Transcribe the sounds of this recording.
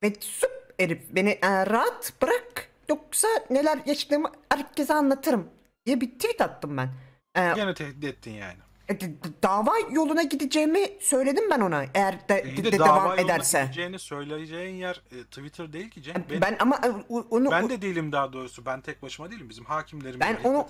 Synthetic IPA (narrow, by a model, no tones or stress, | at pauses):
bɛsup̚eɾip̚be̞niʔɛɾaat̪b̥ɯɾakjok̚sane̞lʲæɾjaʃd̪ɯːmɯhæɾcʰːe̞zɛanlˠat̪ʰɯɾɯm | d̪ijɛbit̪ʰivit̪at̪ːɯmbæn | ɛenɛt̪ʰɛhd̪id̪ɛt̪ʰːinja̰ːnɪ | ɛd̪d̪aːvaːjo̞lˠunaɟid̪id͡ʒejimisø̞jlʲe̞d̪imbæno̞naʔejæɾd̪ɛid̪ɛevamːed̪æɾsɛd͡ʒejinisø̞jlʲejed͡ʒejinjæɾt̪ʰivit̪ʰɯɾd̪ejilʲcʰid͡ʒɛbænʔamaʔonuænd̪ɛd̪ejilʲimd̪aːd̪o̞ːɾusubænt̪ʰɛc̚baʃɯmad̪ejilʲimbizimhaːcʰimlʲeɾibænonu